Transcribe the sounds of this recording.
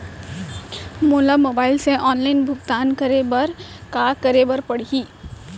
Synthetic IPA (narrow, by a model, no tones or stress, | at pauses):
moːləmoːbaːɪlseʔɔːnlaːɪnbʱʊɡt̪aːnkəɾebəɾkakəɾebəɾpəɽ̤ɦiː